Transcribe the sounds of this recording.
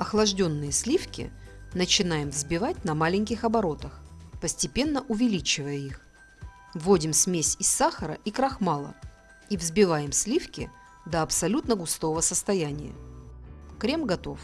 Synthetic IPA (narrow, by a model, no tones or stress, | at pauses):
ɐxlˠɐʐdʲo̞nːɨjəsʲlʲifkʲɪ̰nət͡ɕɪnajɪmvzbʲɪvat̚ʲnɐmalʲɪŋʲkʲɪxɐbɐɾo̞t̪əxpəsʲtʲɪpʲe̞nːəʔʊvʲɪlʲit͡ɕɪvəjəix | vːodʲɪmsʲmʲesʲɪsːaxəɾə̰ʔikɾɐxmalˠə̰ | ivzbʲɪvajɪmsʲlʲifkʲɪ | d̪əɐpsɐlʲut̪nəɡʊst̪o̞vəsəst̪ɐjænʲɪ̰jə̰ | kɾʲe̞mɡɐt̪o̞̰f